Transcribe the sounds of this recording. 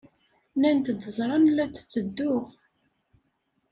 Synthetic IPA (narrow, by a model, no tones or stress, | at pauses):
nænt̪d̪əzˤɾˤɑnlæt͡sːə̥t͡sːəd̪ːʊʁ